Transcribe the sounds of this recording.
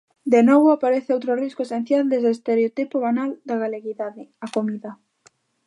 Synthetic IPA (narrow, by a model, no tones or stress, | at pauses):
d̪enɔβʊapaɾeθɪowt̪ɾoriskoesen̟θjald̪ezeːst̪eɾeot̪ipoβanald̪aɣaleɣiðaðɪakomiða